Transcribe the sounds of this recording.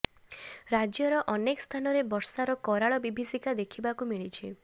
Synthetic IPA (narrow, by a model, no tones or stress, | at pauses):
ɾad͡ʒjɔɾɔʔɔnekɔst̪ʰanɔɾebɔɾsaɾɔkɔɾaɭɔbibʱisikad̪ekʰibakumiɭit͡ʃʰi